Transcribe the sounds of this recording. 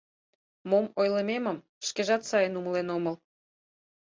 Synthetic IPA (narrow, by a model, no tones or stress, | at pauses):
momojləmeməm | ʃkeʒɑt̪sɑjənuməlenoməl